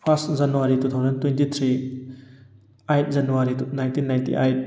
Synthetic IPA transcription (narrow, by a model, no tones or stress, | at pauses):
pʰastzɐnuwaɾitut̪ʰawzɐntwentit̪ʰɾi | ajt̚zɐnuwaɾinajntinːajntḭʔa̰jt̚